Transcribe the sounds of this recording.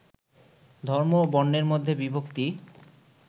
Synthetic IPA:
d̪ʱɔɾmobɔnːeɾmod̪ʱːebibokt̪i

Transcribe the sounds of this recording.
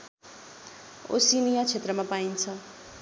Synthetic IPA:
o̰sinijat͡sʰet̪rʌmãpaint͡sʰʌ

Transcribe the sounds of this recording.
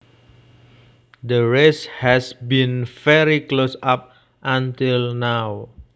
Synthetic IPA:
d̪əɹɛshɛsbĩnfɛɹiklosap̚ | ʔãnt̪ilnaw

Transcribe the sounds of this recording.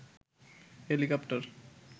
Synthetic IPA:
helikɔpʈoɾ

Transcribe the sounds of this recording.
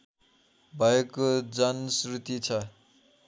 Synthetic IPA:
bʱʌekod͡zʌnsrut̪it͡sʰʌ

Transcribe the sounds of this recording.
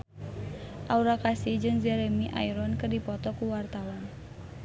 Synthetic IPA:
ʔauɾakasid͡ʒɨŋd͡ʒɛɾemiʔa̰iɾɔnkɨrdipɔt̪ɔkuwart̪awan

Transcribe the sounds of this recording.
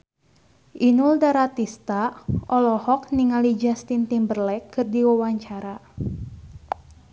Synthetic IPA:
ʔinuldaɾat̪ist̪aʔɔlɔhɔk̚niŋalid͡ʒast̪int̪imbərlɛkːɨrdiwawaɲt͡ʃaɾa

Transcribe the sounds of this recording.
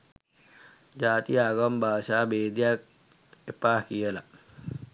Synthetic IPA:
d͡ʒat̪iaɡɔmbasabed̪iak̚ | epahkiəlaʔ

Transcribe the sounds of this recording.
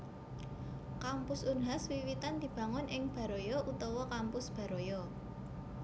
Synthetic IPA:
kampʊsunɦaswiwit̪and̪̥i̤b̥ä̤ŋʊnʔɪŋb̥ä̤ɾojɔʔut̪ɔwɔkampʊsb̥ä̤ɾojɔ

